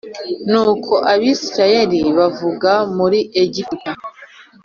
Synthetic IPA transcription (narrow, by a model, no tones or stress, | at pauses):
nuːkʰo̞ʔaβiːsɾaje̞ɾiβavuɡamuɾiʔeɟipta